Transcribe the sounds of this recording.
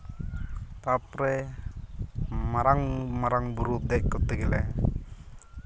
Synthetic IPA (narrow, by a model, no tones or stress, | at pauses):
t̪apɾɛ | maɾaŋmaɾaŋbuɾud̪ekːut̪ːeɡilɛ